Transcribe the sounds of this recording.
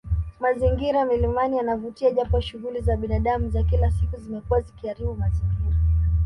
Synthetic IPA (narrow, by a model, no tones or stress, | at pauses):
maziŋɡiɾamilimanijanavutiaʄapɔʃuɣulizaɓinaɗamuzakilasikuzimɛkuwazikiaɾiɓumaziŋɡiɾa